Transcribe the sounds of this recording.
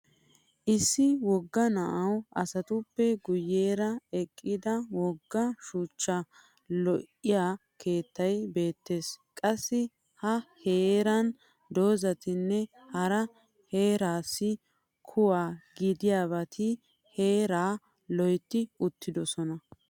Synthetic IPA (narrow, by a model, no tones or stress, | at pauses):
ʔɪsːɪwɔɡːɐnɐʔɐwʔɐsɐt̪ʊpːɛɡʊjːe̞ːɾɐɛkʼːɪd̪ɐwɔɡːɐʃuːt͡ʃːɐ | lɔʔɪjaːkʰe̞ːt̪ːɐjbe̞ːt̪ːe̞ːskʼɐsːɪ | hɐhe̞ːɾɐn | d̪o̞ːzɐt̪ɪnːɛ | hɐɾɐ | he̞ːɾaːsːɪ | kʰʊwaːɡɪd̪ɪjaːβɐt̪ʰɪ | he̞ːɾaː | lɔjt̪ːɪʊt̪ːɪd̪ɔsɔnɐ